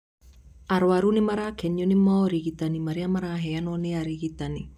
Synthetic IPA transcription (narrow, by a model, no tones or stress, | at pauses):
aɾwaɾunimaɾakɛɲonimaɾiɣit̪animaɾiamaɾaɦɛjanɔneaɾiɣit̪ani